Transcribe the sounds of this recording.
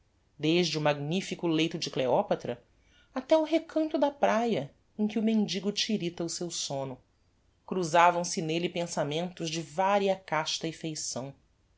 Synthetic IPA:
d̪eʒd͡ʒɪʊmaɡnifikʊlejt̪ʊd͡ʒɪkleɔpat̪ɾɐ | at̪ɛʊɦekʰɐ̃nt̪ʊd̪ɐpɾajɐ | ẽkʲɪʊmẽnd͡ʒiɡʊt͡ʃiɾit̪ɐʊsewsõnʊ | kɾuzavɐ̃w̃sɪnelɪpẽsamẽnt̪ʊzd͡ʒɪvaɾiɐkaʃt̪ɐɪfejsɐ̃w̃

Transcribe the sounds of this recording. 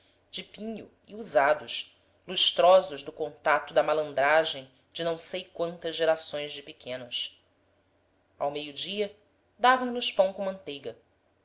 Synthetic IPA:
d͡ʒɪpĩɲʊ | iuzad̪ʊʃ | luʃt̪ɾɔzʊʒd̪ʊkõnt̪at̪ʊd̪ɐmalɐ̃nd̪ɾaʒẽj̃ | d͡ʒɪnɐ̃w̃sejkwɐ̃nt̪ɐzʒeɾasõj̃zd͡ʒɪpekʰẽnɐs | awmejʊd͡ʒiɐ | d̪avɐ̃w̃nʊʃpɐ̃w̃kõmɐ̃nt̪ejɡɐ

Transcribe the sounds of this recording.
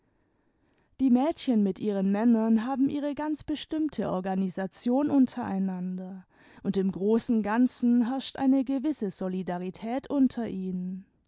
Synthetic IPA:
d̥iːmɛːtçənmɪtʔiːʁ̞ənmɛnɐnɦaːbm̩ʔiːʁ̞əɡant͡sb̥əʃtɪmtʰəʔɔɐɡanizat͡sjoːnʔʊntʰɐʔa̰ɪnandɐ | ʔʊntɪmɡʁoːsn̩ɡant͡sn̩ɦɛɐʃtʔa̰ɪnəɡəvɪsəzɔlidaʁ̞itʰɛːtʔʊntʰɐʔiːnən

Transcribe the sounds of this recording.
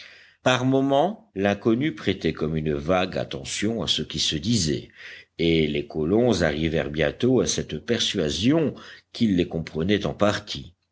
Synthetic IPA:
paʁmɔmɑ̃lɛ̃kɔnypχɛt̪ɛkɔmynəvaɡa̰t̪ɑ̰̃sjɔ̃a̰səkʲisəd̪izɛ̰elekɔlɔ̃zaʁivɛ̰ʁbjɛ̃t̪oasɛt̪pɛʁsɥazjɔ̃kilːekɔ̃pχənɛt̪ɑ̃paʁt̪ʰi

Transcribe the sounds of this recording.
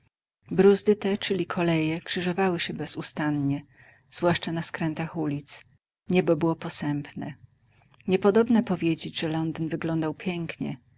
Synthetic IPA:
bɾuzd̪ɘt̪ɛt͡ʂɘlʲikʰɔlɛjɛkʂɘʐɔvawɘɕɛbɛzust̪anɲɛ | z̥vwaʂt͡ʂanaskɾɛnt̪axulʲit̪s | ɲɛbɔbɘwɔpɔsɛmpnɛ̰ | ɲɛpɔd̪ɔbnapɔvʲjed͡ʑed͡ʑʐɛlɔnd̪nvɘɡlɔnd̪awpʲjɛŋkɲɛ̰

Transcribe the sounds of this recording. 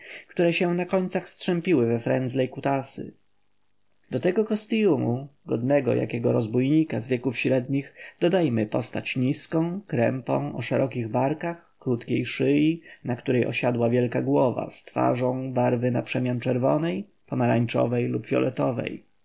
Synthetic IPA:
kt̪uɾɛɕɛnakɔɲt̪saxstʂɛmpʲiwɘvɛfɾɛnd̪zlɛjkut̪asɘ̰ | d̪ɔt̪ɛɡɔkɔst̪ijumuɡɔd̪nɛɡɔ̰jʔa̰kʲɛɡɔɾɔzbujɲikazvʲjɛkufɕɾɛd̪ɲiɣd̪̥ɔd̪ajmɘpɔst̪at͡ɕɲiskɔ̃w̃kɾɛmpɔ̰̃w̃ʔɔʂɛɾʔɔkʲiɣbaɾkaxkɾut̪kʲejʂɘjinakt̪uɾɛjʔɔ̰ɕad̪wavʲjɛlkaɡwɔva̰st̪fa̰ʐɔ̃w̃baɾvɘnapʂɛmʲjant͡ʂɛɾvɔnɛj | pɔmaɾaɲt͡ʂɔ̰vɛjlupvʲjɔ̰lʔɛt̪ɔvɛ̰j

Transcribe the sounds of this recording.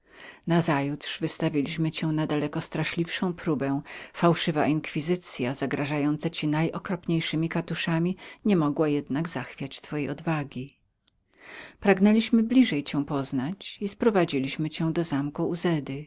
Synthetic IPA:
nazajut̪ʂvɨst̪avʲilʲiɕmɘt͡ɕɛw̃nad̪alɛkɔst̪ɾaʂlʲifʂɔ̃w̃pɾubɛ̃w̃fawʂɘvaʔiŋkfʲizɘt̪sʲjazaɡɾaʐajɔnt̪sat͡ɕinajʔɔkɾɔpɲejʂɘmʲikat̪uʂamʲiɲɛmɔɡwajɛd̪naɡzaxfʲjat͡ɕt̪fɔjejɔd̪vaɡʲi | pɾaɡnɛlʲiɕmɘblʲiʐɛjt͡ɕɛ̃w̃pɔznat͡ɕispɾɔvad͡ʑilʲiɕmɘt͡ɕɛ̃w̃d̪ɔzamkuːzɛd̪ɘ

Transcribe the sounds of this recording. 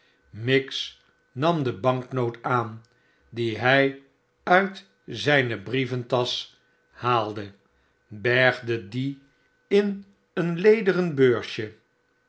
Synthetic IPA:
mɪks | nɑmdəbɑŋknowtaːn | diɦɛj | œɥt | zɛjnəbrivəntɑs | haːlˠdə | bɛɹχdədi | ɪn | ənlejdərənbøːɹʃjə

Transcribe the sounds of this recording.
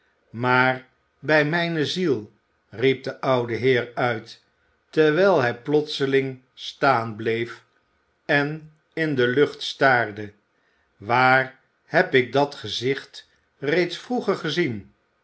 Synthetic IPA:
maːr | bɛjmɛjnəzilˠ | rip̚dəʔɑwdəɦɪːɹœɥt | tɛɹʋɛjlˠɦɛjplɔtsəlɪŋ | staːnblejf | ɛn | ɪndəlɵχtstaːrdə | ʋaːr | hɛpɪk̚dɑtχəzɪχt | rejtsfruχəɹχəzin

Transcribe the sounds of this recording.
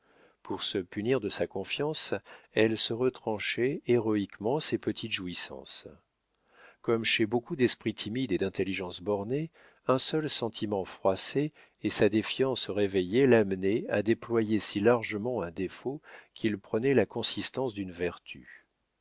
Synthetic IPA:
pʰuʁsəpyniʁd̪əsakɔ̃fjɑ̃sɛlsəʁət̪χɑ̃ʃɛeʁɔikmɑ̃sepət̪ʰit̪ʒuisɑ̰̃s | kɔmʃebokud̪ɛspχit̪ʰimid̪ed̪ɛ̃t̪eliʒɑ̃sbɔʁne | ɛ̃sœlsɑ̃t̪ʰimɑ̃fχwaseː | sad̪efjɑ̃sʁevejelamnɛa̰d̪eplwajesilaʁʒəmɑ̃ɛ̃d̪efokʰʲilpχənɛlakɔ̃sist̪ɑ̃sd̪ynvɛʁt̪ʰy̰

